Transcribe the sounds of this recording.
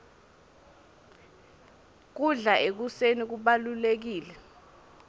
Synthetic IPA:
k̬uɮaʔek̬usenik̬uɓalulek̬iːlɛ

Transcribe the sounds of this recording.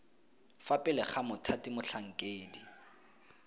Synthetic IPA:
fapʼɪlɛχamʊtʰatimʊɬʰaŋ̩kʼeːdi

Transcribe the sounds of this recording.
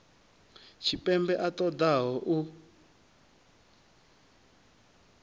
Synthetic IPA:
t͡ʃʰipɛmbɛʔat̪ɔd̪aɦɔʔu

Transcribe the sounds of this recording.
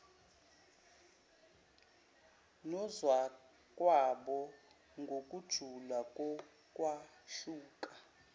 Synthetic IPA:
nɔzwa | kʼwaɓɔ | ŋɡʱokʼud̥ʒ̥ʱulakʼɔ | kʼwa | ɬuːkʼa

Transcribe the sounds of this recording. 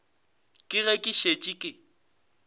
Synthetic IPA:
kʼɪɣɛkʼɪʃet͡ʃʼikʼɪ

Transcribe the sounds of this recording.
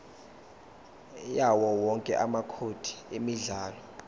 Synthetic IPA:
jawɔwɔŋkʼɛ̰ʔamakʰod̥ʱi̥emiɮaːlɔ

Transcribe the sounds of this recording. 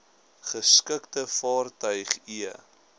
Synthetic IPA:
χəskəktəfɑːrtœɥχiə

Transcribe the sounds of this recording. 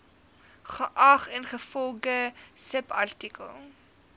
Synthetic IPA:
χəʔɐχɛnχəfɔlˠɡəsəpɐ̰rtikə̰lˠ

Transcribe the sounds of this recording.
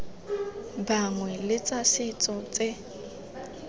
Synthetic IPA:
baŋwɛlɪt͡sʼasɪt͡sʼɔt͡sʼɪ

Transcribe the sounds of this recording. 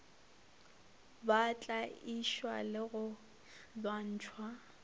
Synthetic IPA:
bat͡ɬʼaiʃwa̰lɪɣʊ | lwan̩ːt͡ʃʰwa

